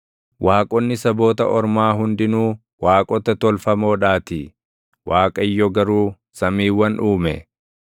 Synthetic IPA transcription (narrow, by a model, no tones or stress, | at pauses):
wʔaːkʼɔnːɪsɐbo̞ːt̪ɐʔɔɾmaːɦʊnd̪ɪnuː | waːkʼɔt̪ɐt̪ɔlfɐmo̞ːᶑaːt̪ɪ | wʔaːkʼɐɪjːɔɡɐɾuː | sɐmiːwːɐnʔuːmɛ̰